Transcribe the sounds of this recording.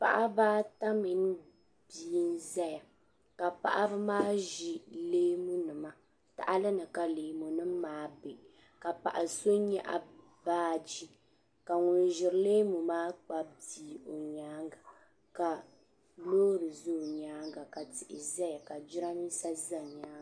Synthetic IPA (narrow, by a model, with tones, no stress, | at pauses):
pa̰˨ʔa˦baː˦ta˦mi˨n˦ | b̥i˨˦i˦n˦zɛ˦ja˨ | ka˨pa̰˨ʔa˦bɨ˦maː˦ʒi˨leː˦mu˦nɨ˨ma˦ | ta̰˨ʔa˦lɨ˦nɨ˨ka˨leː˨mu˨nɨ˦mː˦aː˦be˨ʔ | ka˨pa̰˨ʔa˨so˦ɲɛ˦ʔa̰˨ | baː˦d͡ʒi˦ | ka˨ŋʊ˨n˨ʒɪ˨ɾleː˦mu˨maː˦k͡pa˦b̚diː˨o˨ɲaː˦ŋɡa˨ | ka˨ | loː˦ɾɨ˨zo˦˨ɲaː˨˦ŋɡa˨ka˨tɪ˨ʔɪ̰˨za˦ja˨ka˨d͡ʒɪ˦ɾa˦mi˦sa˦za˨ɲaː˦˨